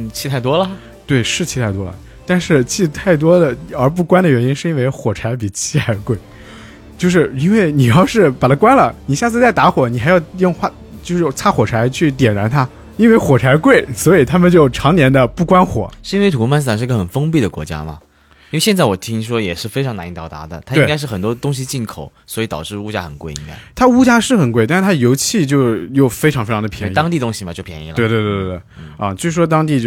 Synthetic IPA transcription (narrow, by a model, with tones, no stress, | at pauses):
t͡ɕʰi˥˧tʰt̪̬wɔ˥lə˨ | t̪we˥˩ɪʂɻ̩˥˩t͡ɕʰi˧˥t̪ʰa˥˩ɪt̪wɔ̰˥lə̰˨˩ | t̪a˥˧nʂɻ̩˥˧t͡ɕʰi˥˧t̪ʰa˥˩ɪt̪̬wɔ˥d̪ə˨ə˞˧˥p̬u˥˩kwa˥nd̪ə˨ɥɛ˧˥ni˥nʂɻ̩˥˩i˥nwe˥˧ɪxwɔ˨˩ʈ͡ʂʰa˧˥ɪp̬i˨˩t͡ɕʰi˥a˧˥kwe˥˩ɪ | t͡ɕjo˥˧ʊʂ̬ɻ̩˥˩i˥nwe˥˩ɪni˨˩jɑ˥˧ʊʂɻ̩˥˩pa˨˩t̪ʰa˥kwa˥nlə˨ni˨˩ɕja˥˧t͡sʰɹ̩˥˧t͡sa˥˩ɪt̪a˧˥xwɔ˨˩˦ni˨˩xɪjɑ˥˧ʊjʊ˥˧ŋxwa˥˧˩ | t͡ɕjo˥˧ʊʂɻ̩˥˧t͡sʰa˥˩xwɔ˨˩ʈ͡ʂʰa˧˥ɪt͡ɕʰy˥˩t̪jɛ˨˩nɻa˧˥nt̪ʰa˥ | i˥nwe˥˧˩ɪxwɔ˨˩ʈ͡ʂʰa˧˥ɪkwe˥˩ɪswɔ˧˥i˨˩t̪ʰa˥mə˨nt͡ɕjo˥˩ʊʈ͡ʂʰɑ˧˥ŋnjɛ˧˥nd̪ə˧pu˥˩kwa˥nxwɔ̰˨˩˦ʂɻ̩˥˧i˥nwe˥˩ɪtʰu˨˥u˥ma˥˧ns̩̬˥a˨˩ʂɻ̩˥˧˥ə˧xə˨˩nfɤ˥ŋpi˥˩d̪ə˩kwɔ˧˥t͡ɕja̰˥mɐ̰˩ | i˥nwe˥˧ɕjɛ˥˧nt͡sa˥˩wɔ˨˩t̪ʰi˥ŋ˧ʂwɔ˥jɛ˨˩ʂɻ̩˥˩fe˥ɪʈ͡ʂʰɑ˧˥ŋna˧˥ni˧˥˩t̪ɑ˨˩ʊt̪a̰˧˥d̪ə̰˨t̪ʰa˥iwe˥˧ŋka˥ɪʂ̬ɻ̩˥˩xə˨˩nt̪wɔ˥t̪ʊ˥ŋɕ̬i˧t͡ɕi˥˩nkʰo˨˩˦ʊswɔ˧˥i˧˥t̪ɑ˨˩ʊʈ͡ʂɻ̩˥˧u˥t͡ɕja̰˥xə˨˩nkwe˥˩ɪḭ˧˩ja̰˩t̪ʰa˥u˥t͡ɕja˥ʂɻ̩˥˩xə˨˩nkwe˥˧t̪a˥˧ʂɻ̩˥˩t̪ʰa˥jo˧˥ʊt͡ɕʰi˥˧t͡ɕjo˥˧ʊjo˥˩ʊfe˥ʈ͡ʂʰɑ˧˥ŋfe˥ɪʈ͡ʂ̪ʰd̪pʰjɛ˧˥n˧t̪ɑ˥ŋt̪i˥˧˩t̪ʊ˥ŋɕi˨˩ma˨˩t͡ɕjo˥˩ʊpʰjɛ̰˧˥nḭ˧˥˩l̰we˥˧t̪we˥˧t̪we˥˧˥t̪e˥˩˥t͡ɕjo˥˧ʊʂɻ̩˥˩ʂwɔ˥t̪ɑ˥ŋt̪̬i˥˧t͡ɕo˥˩